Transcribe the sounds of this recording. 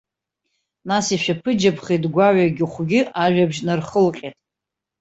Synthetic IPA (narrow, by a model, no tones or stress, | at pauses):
nasiʃᶣapʰɨd͡ʒapʰχidɡʷaɥaɡʲɪχʷɡʲɪʔaʒᶣabʒnɨrχəlqʲʼetʼ